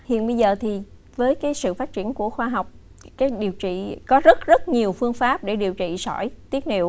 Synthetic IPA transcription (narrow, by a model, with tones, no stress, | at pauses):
hḭ˧˨ənɓə˧jzəː˨˩t̪ʰi˨˩ | vəː˨˦jkaː˨˦jsɨ̰˧˨faː˦˥t̚t͡ɕi˧˩ənku˧˩əxwaː˧ɦa˨˩wk͡p̚ | kaː˨˦˥jɗi˨˩əwt͡ɕḭ˧˨kɔ˨˦zə˦˥t̚zə˦˥t̚ɲi˨˩əwfɨ˧əŋfaː˦˥p̚ɗe˧˩ɗi˨˩əwt͡ɕḭ˧˨sɔ˧˩jt̪i˦˥ət̚hḭ˧˨w